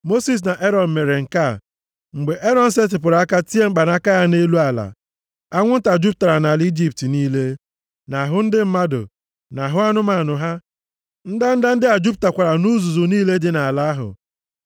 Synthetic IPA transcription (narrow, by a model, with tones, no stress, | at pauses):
mo˦si˨s̬na˨ʔe˦ɾɔ˨n̩˨me˨ɾe˨ŋ̩˨ka˦˨ | ŋ͡m̩˨ɡ͡be˨ʔe˦ɾɔ˨n̩˦se˦t̬ɪ˨p̬ʊ˨ɾa˨a˦ka˦ti˦e˦ŋ͡m̩˦k͡pa˨na˦ka˦ja˦ne˦lu˦a˨la̰˨ | a˦ŋʷʊ˦n̩˦ta˨d͡ʒu˦p̚ta˨ɾa˨na˨li˦d͡ʒi˦p̚ti˨niː˦le˦ | na˨ɦʊ˦n̩˦dɪ˦m̩˦ma˦dʊ̰˨ | na˨ɦʊ˦a˦nʊ˦ma˨nʊ˨ɦa˦ | n̩˦da˦n̩˦da˦n̩˦dɪ˦a˨d͡ʒu˦p̚ta˨kʷa˨ɾa˨nu˦zu˨zʊ˨niː˦le˦dɪ˦na˨a˨la˨˦ɦʊ̰˨